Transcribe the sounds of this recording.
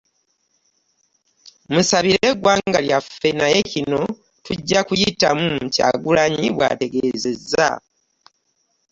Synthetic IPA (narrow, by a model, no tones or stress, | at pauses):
musaβiɾe̞ɡwaːŋɡaljafe̞naje̞cino̞ | tuɟːakujitamumca̰ɡulaɲiβwa̰te̞ɡeːze̞zːa̰